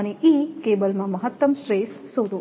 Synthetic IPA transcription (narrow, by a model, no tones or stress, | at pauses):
neʔikebəlmãmɐɦət̪ːəmʃɾeːssoɾu